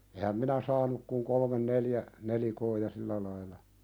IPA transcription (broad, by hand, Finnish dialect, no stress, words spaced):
ehæm minæ sɑːnuk kuŋ kolmen neljæ nelikoː jɑ silːæ lɑilɑ